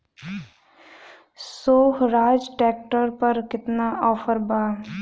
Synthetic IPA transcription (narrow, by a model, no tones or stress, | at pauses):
soːɦɾaːd͡ʒʈɛːk̚ʈəɾpəɾkɪt̪naɔːpʰəɾbaː